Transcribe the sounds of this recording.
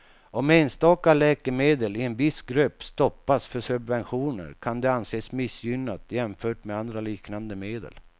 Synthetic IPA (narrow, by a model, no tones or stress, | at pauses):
ɔmːɛnst̪ɑːkalɛːkəmeːd̪əlɪɛnvɪsɡɾɵpːst̪ɔpːasfœʂɵbvɛnɧuːnə̰ɾkʰand̪ɛanseːsmɪsjʏnːat̪jɛmfœːʈmɛand̪ɾaliːknand̪əmeːd̪ə̰l